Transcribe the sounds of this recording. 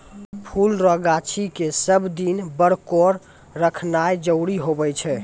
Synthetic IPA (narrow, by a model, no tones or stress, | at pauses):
pʰulɾɔɡat͡ʃʰikesəbd̪inbəɽkoɾ | ɾəkʰnaed͡ʒəʊɽiɦobɛt͡ʃʰɛ